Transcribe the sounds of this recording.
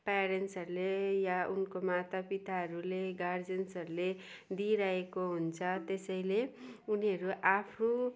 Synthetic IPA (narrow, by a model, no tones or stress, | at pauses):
paɾensʌɾulejaunkomat̪apit̪aɦʌɾuleɡard͡zensʌɾule | d̪iɾaekoɦunt͡sʰʌt̪esʌj̃leuniɦʌɾuʔapʰro